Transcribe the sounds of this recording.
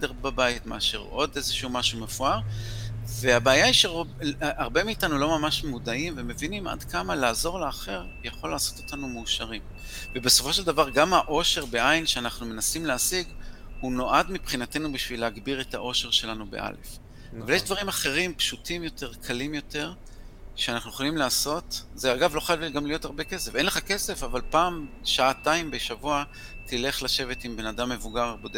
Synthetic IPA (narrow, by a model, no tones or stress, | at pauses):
sed̪eʁbabaitmeaʃḛʁo̞dezeʃehumaʃume̞fuaʁ | ve̞abeːjaiʃeʁʔaʁbemiːtanulo̞mamaʃmudaimveme̞vinima̰dkamalaːzo̞ʁleaχe̞ʁ | jaχo̞lːaːso̞to̥tanumeuʃaʁim | vebe̞so̞fo̞ʃe̞ldavaʁɡamhaʔo̞ʃe̞ʁbe̞ʔajnʃeanaχnume̞nasimleasiɡhuno̞ʔadmipχinate̞nubiʃvileaɡbiʁe̞t̪aʔo̞ʃe̞ʁʃe̞lanube̞̰ʔa̰le̞̰f | avaljeʃd̪vaʁimaχe̞ʁimpʃutʰimjo̞te̞ʁkʰalimjo̞te̞ʁ | ʃeanaχnujeχolimlaːso̞tzeaɡavlo̞χalɡamlijo̞taʁbe̞ke̞sefe̞nleχake̞se̞favalpaːmʃaataimbeʃavua | t̪ile̞χlaʃe̞ve̞timbe̞nadamːevuɡaʁbode